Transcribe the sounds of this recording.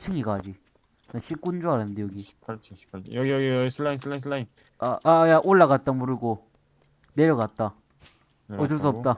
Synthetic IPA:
t͡ɕʰɯŋiɡad͡ʑi | naɕʰip̚k͈und͡ʑoaɾanːɯndejʌɡi̥ | pjsʰɯlːainsʰɯlainsʰlːain | aajaʔoɭːaɣat̚t͈amuɾɯɭɡo | neɾjʌɡat̚t͈a | ʌd͡ʑɯɭs̬͈uʌpt͈a

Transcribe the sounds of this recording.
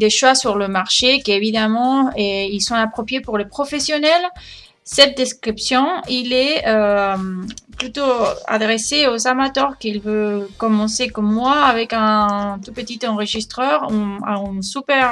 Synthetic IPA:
d̪eʃwasyʁləmaʁʃekevid̪amɑ̃eilsɔ̃apχopjepuʁlepχɔfesjonɛl | sɛt̪̚d̪eskχipsjɔ̃ilɛø | plyt̪oa̰d̪ʁeseozamat̪œʁkilvøkɔmɑ̃sekɔmːwaːvɛkɛ̃t̪upət̪it̪ɑ̃ʁəʒist̪χœʁ̃ỹsypɛʁ

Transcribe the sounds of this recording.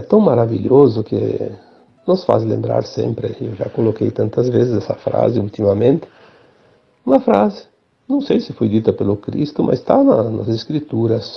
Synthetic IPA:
ɛt̪ɐ̃w̃maɾaviʎozʊkḛ | nɔsfa̰zlḛ̃mbɾa̰ɾsḛ̃mpɾɪewʒa̰kolokḛjt̪ɐ̃nt̪ɐzvezɪzɛsɐfɾa̰zɪult̪imɐmẽnt̪ɪ̥ | ũmɐfɾazɪ | nɐ̃w̃sejsɪfojd̪it̪ɐpelʊkɾḭst̪ʊmʔa̰st̪anɐ̰nɐ̰zeskɾit̪uɾɐs

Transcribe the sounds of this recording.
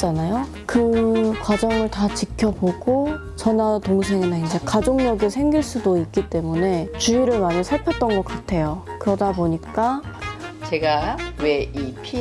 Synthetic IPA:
t͡ɕanajo | kɯkwad͡ʑʌŋɯɭtat͡ɕikʰjʌboɡo | t͡ɕʌnatoŋsʰe̞ŋinaind͡ʑe̞kad͡ʑoŋɲʌɡesʰe̞ŋɡiɭs͈udoik̚k͈it͈e̞mune̞t͡ɕuiɾɯɭmaɲisʰaɭpʰjʌt͈̚ʌnɡʌk͈atʰe̞jokɯɾʌdaboɲik͈a | t͡ɕe̞ɡawe̞ipʰi

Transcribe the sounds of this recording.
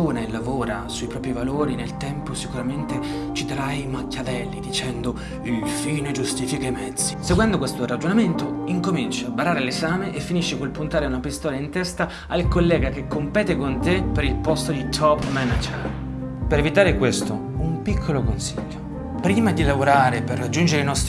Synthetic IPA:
oːnaelːavoːɾasuipɾɔːpɾivaloːɾinelt̪ɛmposikuɾament̪e | t͡ʃit̪aɾajmakːavɛlːid̪it͡ʃɛnd̪o | ilfiːned͡ʒust̪iːfikaimɛd̪z̥ːi̥seɡwɛnd̪okwest̪oɾad͡ʒonament̪oiŋkomint͡ʃaabaɾaːɾelezaːmeʔefːiniʃːikolpunt̪aːɾeunapist̪ɔːlaint̪ɛst̪a | alkolːɛːɡakekːompɛːt̪ekont̪epeɾilpɔst̪od̪it̪ʰɔpmɛnad͡ʒer | peɾevit̪aːɾekwest̪o | umpikʰːolokonsiʎːo | pɾiːmad̪ilavoɾaːɾeperːad͡ʒːund͡ʒeɾeinɔst̪ɾ

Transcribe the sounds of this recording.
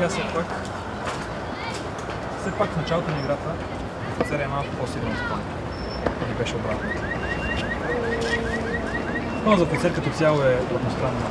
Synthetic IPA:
asɛpak | fsɛpakfnɐt͡ʃalˠot̪onɐiɡɾat̪ə | ɐfɛt̪sɛɾɛɛmalˠkʊpɔsilʲɛnosp̪an | nibɛʃɛobɾat̪nə | nɔzɐfɛt̪sɛɾkɐt̪ɔt̪sʲjalˠoɛod̪nost̪ɾanː

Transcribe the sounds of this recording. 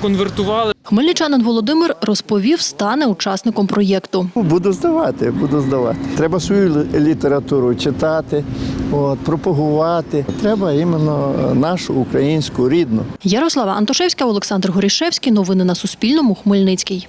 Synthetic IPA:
kɔnʋert̪ʊʋɑlˠɪxmɪlʲnɪt͡ʃɑnɪnʋɔlˠɔd̪ɪmɪrrɔspɔʋʲiwst̪ɑnɛut͡ʃɑsnɪkɔmpɾɔjɛkt̪ʊbud̪ʊzd̪ɐʋɑt̪ɪbud̪ʊzd̪ɐʋɑ̰t̪ɪ̥t̪ɾɛbɐsʋɔjulʲit̪eɾɐt̪uɾʊt͡ʃɪt̪ɑt̪ɪoːt̪̚pɾɔpɔɦʊʋɑt̪ɪt̪ɾɛbɐimenːɔnɑʃʊːkɾɐjinʲsʲkʊɾʲid̪nʊ̰jɐɾɔslˠɑʋɐɐnt̪ɔʃɛwsʲkɐɔlˠeksɑnd̪rɦɔɾʲiʃɛwsʲkʲijnɔʋɪnɪnɐsʊspʲilʲnɔmʊxmɪlʲnɪt͡sʲkʲij

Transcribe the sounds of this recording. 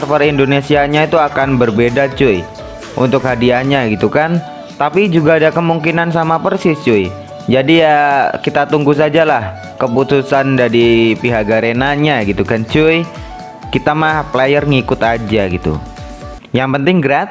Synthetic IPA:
rpaɾindonesiaɲait̪uakanbərbedat͡ʃui | ʔṵnt̪ʊkɦadianɲaɡit̪ukan | t̪apid͡ʒuɡaːdakəmuŋkinans̬amapərsɪst͡ʃuj | d͡ʒadijakit̪at̪uŋɡus̬ad͡ʒalah | kəput̪usandaɾipiɦaɡaɾenaɲaɡit̪ukant͡ʃui | kit̪amaplajərŋikʊt̪ad͡ʒaɡit̪ṵ | jaŋpənt̪ɪŋɡəɾat̪̚

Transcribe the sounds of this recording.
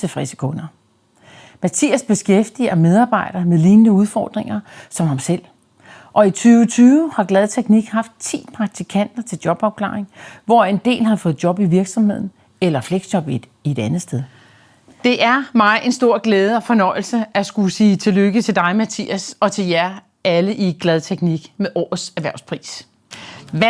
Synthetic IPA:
t͡sʰe̝fʁɛsə̥kʰɔ̽nɐ | mæt͡sʰḭːæsb̥e̝sɡ̥efd̥ḭɐmeð̞ˠɑ̈ːb̥ɑ̈ɪ̰d̥ɐmeðˠliːnnəuð̞ˠfɒ̰ːd̥ʁeŋɐsɒ̽mhɑ̈msel̰ | ʔɒ̽it͡sʰyːʊt͡sʰyːʊəhɑ̈ɡ̥lɛð̩ˠt͡sʰeɡ̥niɡ̥hɑ̈fd̥̚t͡sʰḭːpʰʁɑ̈ɡ̥̚t͡sʰikʰæn̰d̥ɐt͡sʰe̝ld̥jɒ̽b̥ɒb̥̚kʰlɑ̰̈ːeŋʋɒe̝nd̥e̝̰ːlhɑ̈fɔ̽ːð̩ˠdjɒ̽b̥iʋiɐɡ̥sɒ̽mhe̝ð̰ˠn̩ | elɐfleɡ̥sd̥jɒ̽b̥id̥ | ie̝d̥ænð̩ˠsd̥eð̞ˠ | d̥e̝ʔæɐmɑ̈ɪʔe̝nsd̥o̝ɐ̰ɡ̥leːð̞ˠəɒ̽fɒ̽nɒ̽ɪ̰l̩səʔæsɡ̥usiːt͡sʰe̝løɡ̥ət͡sʰe̝d̥ɑ̈ɪmæt͡sʰḭːæsɒ̽t͡sʰe̝ljæɐ | æləʔiɡ̥lɛð̞ˠt͡sʰeɡ̥niɡ̥meʔɒ̰ːð̩ˠsæɐʋæɐʊspʰʁḭːs

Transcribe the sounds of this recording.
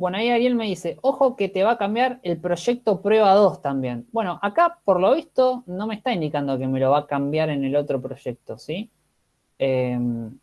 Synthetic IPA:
bwe̞noaiaɾje̞lme̞ðise̞ʔo̞xo̞ket̪e̞βakambjaɾelpɾo̞ʃe̞k̚t̪o̞pɾwe̞β̞aðo̞st̪ambje̞nbwe̞no̞ʔakapoɾlo̞β̞ist̪o̞no̞mest̪aind̪ikand̪o̞ke̞me̞lo̞β̞akambjaɾe̞ne̞lo̞t̪ɾo̞pɾo̞ʃe̞k̚t̪o̞si | em

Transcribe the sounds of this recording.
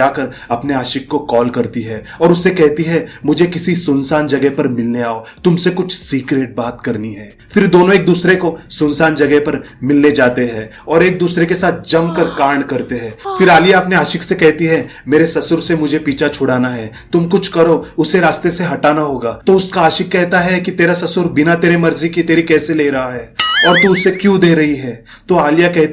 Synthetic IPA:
aːkɐɾ | ɐpneaːʃɪkːokɔːlkɐɾt̪iɦɛː | ɔːɾʊsːekɛɦt̪iɦɛmʊd͡ʒʱekɪsisʊnsaːnd͡ʒɐɡɛpɐɾmɪlneaːot̪ʊmsekʊt͡ʃʰsiːkɾeːʈ̚baːt̪kɐɾniɦɛː | fɪɾd̪oːnõeːk̚d̪uːsɾekosʊnsaːnd͡ʒɐɡɛpɐɾ | mɪlned͡ʒaːt̪eɦɛ̃ː | ɔːɾeːk̚d̪uːsɾekesaːt̪̚ʰd͡ʒɐmkɐɾkaːɾɳkɐɾt̪eɦɛ̃ːfɪɾaːlijaɐpneaːʃɪksekɛɦt̪iɦɛmeːɾesɐsʊɾsemʊd͡ʒʱepiːt͡ʃʰat͡ʃʰʊɽaːnaɦɛː | t̪ʊmkʊt͡ʃʰkɐɾoʊseɾaːst̪eseɦɐʈaːnaɦoːɡaːt̪oʊskaaːʃɪkːɛɦt̪aɦɛkit̪eːɾasɐsʊɾbɪnat̪eːɾemɐɾzikit̪eːɾikɛːseleːɾɐɦaɦɛːɔːɾt̪uʊsːekjũd̪eːɾɐɦiɦɛː | t̪oaːlijakɛɦt̪

